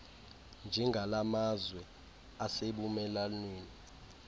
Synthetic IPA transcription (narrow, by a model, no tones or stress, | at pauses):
nd͡ʒʱɛŋɡʱalamazwɛ | aseɓumɛlanweːni